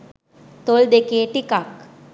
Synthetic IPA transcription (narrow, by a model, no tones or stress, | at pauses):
t̪old̪ekeːʈikak